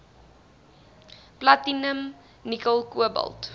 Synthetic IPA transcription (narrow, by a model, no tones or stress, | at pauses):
platinəm | nikəlˠkuəbə̰lˠt